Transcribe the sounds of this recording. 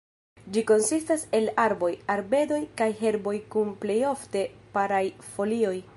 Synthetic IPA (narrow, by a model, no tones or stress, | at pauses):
d͡ʒiko̞nsistase̞laɾbo̞jaɾbe̞do̞jkajɦe̞ɾbo̞jkunple̞jo̞fte̞paɾajfo̞lio̞j